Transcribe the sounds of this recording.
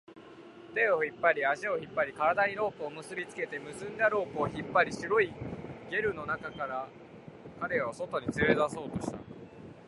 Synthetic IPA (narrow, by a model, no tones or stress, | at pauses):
t̪e̞oçipːaɾʲiaɕio̞çipːaɾʲikaɾad̪aɲ̟iɾo̞ːpɯːmɯ̟sɨbʲit͡sɨ̥ke̞t̪e̞mɯ̟sɨ̃nd̪aɾo̞ːpɯːçipːaɾʲiɕiɾoiɡʲe̞ɾɯ̟no̞nakakaɾa | kaɾe̞βaso̞t̪o̞ɲ̟it͡sɨɾezaso̞ːt̪o̞ɕi̥t̪a̰